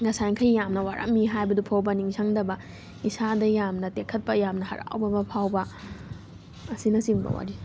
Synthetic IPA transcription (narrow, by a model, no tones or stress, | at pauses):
ɡɐsajŋkʰɐjjamnɐwaɾʔa̰k̚miɦajbɐdupʰawbɐniŋsʰaŋdɐbɐ | isadɐjamnɐtekʰɐt̚pɐjamnɐhɐ̰ɾa̰wbɐbɐpʰawbɐ | sinɐsiŋbɐ̰wa̰ɾi